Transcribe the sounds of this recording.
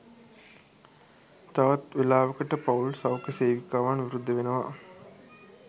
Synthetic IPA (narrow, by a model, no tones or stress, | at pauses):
t̪ɐʋɐt̪ʋilaːʋɐkɐʈːɐpɐwlsɐwkeseːʋikːaːʋaːnʋiɾud̪ʱːɐʋenɐʋa